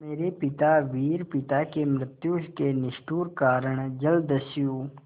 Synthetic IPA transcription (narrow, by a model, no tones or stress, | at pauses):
meːɾepɪt̪aʋiːɾpɪt̪akemɾɪt̪juʃkenɪʃʈuːɾkaːɾəɳ̃d͡ʒəld̪əsijuː